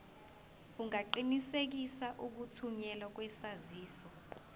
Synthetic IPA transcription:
uŋaǃinisek̬isaʔuk̬utʰuɲɛlak̬wɛsaziːsɔ

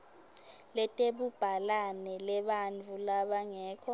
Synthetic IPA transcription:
lɛtʼeɓub̥ʱalanɛlɛɓant͡fulaɓaŋɛːkʰɔ

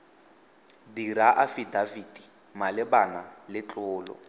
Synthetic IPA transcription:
diɾaʔafidavidi | malɪbanalɪt͡ɬʼʊːlɔ̰

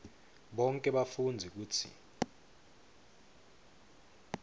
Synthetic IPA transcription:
ɓɔŋkʼɛɓafund͡zʱik̬uːt͡sʰḭ

